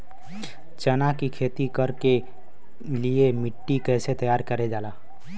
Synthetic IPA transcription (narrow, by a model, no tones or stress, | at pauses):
t͡ʃənakikʰet̪ikəɾke | liemiʈːikəjset̪əjaɾkəɾɛd͡ʒala